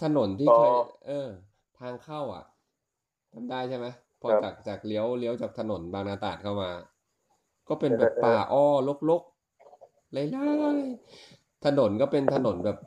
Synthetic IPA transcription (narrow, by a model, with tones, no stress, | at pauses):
t̪ʰa˧no˩˦nt̪ʰiː˥˩kʰa˧˥˩ʔɤː˧ | t̪ʰaː˧ŋkʰa˥˩wʔa̰˨˩ʔ | t̪ʰa˨˩mdaː˥˩jt͡ɕʰa˥˩ma˦˥j | pʰɔː˧t͡ɕaː˨˩k̚t͡ɕaː˨˩k̚li˦˥əwli˦˥əwt͡ɕaː˨˩k̚t̪ʰa˧no˩˦nbaː˧ŋnaː˧t̪aː˨˩t̪̚kʰa˥˩wmaː˧ | kɔː˥˩pe˧nbɛː˨˩ppːaː˨˩ʔɔː˧˩lo˦˥˩k̚lo˦˥k̚ | la˧˩jla˧˥˩j | t̪ʰa˧no˩˦nkɔː˥˩pe˧nt̪ʰa˧no˩˦nbɛː˨˩p̚